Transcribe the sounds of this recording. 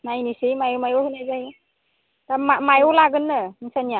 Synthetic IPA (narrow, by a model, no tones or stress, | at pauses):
najnisijmajɔmajɔhɯnajzaj | tamamajɔlaɡɯnːɯisanija